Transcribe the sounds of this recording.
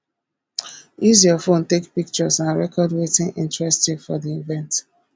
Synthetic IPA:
iziɔfõntekpik̚t͡ʃɔsãnɹɛkɔdwetĩnʔḭ̃ntɹɛstifɔdiivɛ̃nt

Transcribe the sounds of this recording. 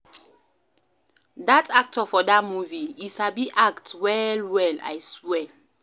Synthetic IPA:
datʰak̚tʰəfɔdatmuviitsabiʔaktwɛlwɛla̰jswɛ

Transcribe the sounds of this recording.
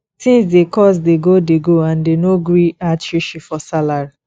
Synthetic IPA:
sĩns̬dekɔs̬deɡodeɡoãndenoɡɹiatiʃifɔsalaɹi

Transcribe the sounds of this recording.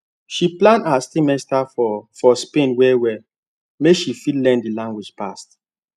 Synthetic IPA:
ʃiplãndasimɛstafɔfɔspẽnwɛwɛ | mekʃifidlɛ̃ndilãŋɡwid͡ʒpast

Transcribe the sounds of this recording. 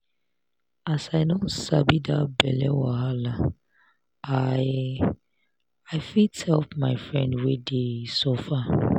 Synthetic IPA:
asaɪdõnsabidabɛlɛwaɦala | a | aɪfithɛlpmaɪfɹɛ̃ndwedesɔfa

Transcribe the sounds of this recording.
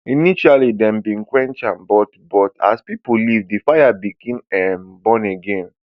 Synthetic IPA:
iniʃalidɛ̃mbĩnkwɛ̃nt͡ʃãnbɔtbɔta̰spipulivdifajabikĩnɛmbɔ̃nɛɡɛ̃n

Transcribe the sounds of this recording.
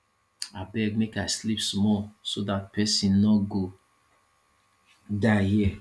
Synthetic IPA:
abɛɡ̚mekaɪslipsmɔlsodat̚pʰɛsĩnnɔɡo | dahi

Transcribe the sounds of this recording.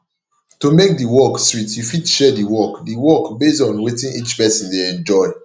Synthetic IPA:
tumek̚diwɔkstɹitjufidʃɛdiwɔkdiwɔkbesɔ̃nwetĩnit͡ʃpɛsĩndeɛ̃nd͡ʒɔɪ

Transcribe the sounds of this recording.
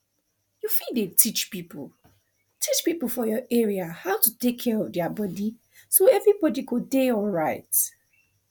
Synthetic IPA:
jufildetʰit͡ʃpipl̩ | tʰit͡ʃpipl̩ˠfɔjɔʔɛɹiahaʊtutekʰːɛɹɔvdɛabɔdi | soɛvɹibɔdikudeɔlˠɹaɪt

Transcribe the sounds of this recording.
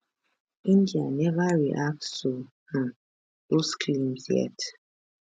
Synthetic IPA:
indjanɛvaɹiʔaksoh̩ | oskʰlimsjɛ̰t

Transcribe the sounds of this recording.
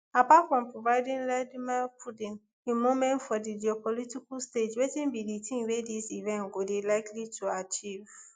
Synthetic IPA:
apatfɹɔ̃mpɹovaɪdĩnladmapʰudĩn | imomɛ̃ntfɔdid͡ʒiɔpɔlitikɔlsted͡ʒwetĩnbiditʰĩŋwedisivɛ̃nɡodilaɪkʰlitʰuat͡ʃiv

